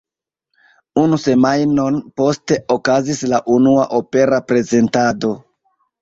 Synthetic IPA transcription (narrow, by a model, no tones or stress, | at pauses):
unuse̞majno̞npo̞ste̞okazislaʔunuaʔope̞ɾapɾe̞ze̞ntado̞